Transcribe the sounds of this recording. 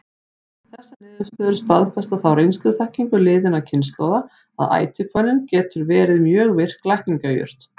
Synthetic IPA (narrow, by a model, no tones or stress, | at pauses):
θɛsːanɪːðɪst̪œːðʏɾ̥st̪aðfɛst̪aθawɾejnst̪lʏθahciŋkʏlɪːðɪnacʰɪnst̪lɔwva | a̰ða̰ːjt̪ʰɪkʰvɔjnɪncɛːt̪ʏɾvɛːɾɪðmjœːɣvɪr̥klajhk̪niŋkajʏ̰r̥t̪